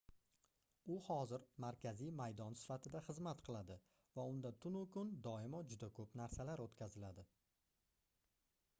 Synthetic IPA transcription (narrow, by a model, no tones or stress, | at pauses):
ʊhɒzɪɾmaɾkʲʰazijmajd̪ɒnsɪ̥fat̪ʰɪd̪aχɨzmat̪qʰɨlˠad̪ɪ | vaʊnd̪at̪ʰʊnʊkʰʊnd̪ɒɪmɒd͡ʒʊd̪akʰɵpnaɾsalaɾot̪kʲazɪlad̪ɪ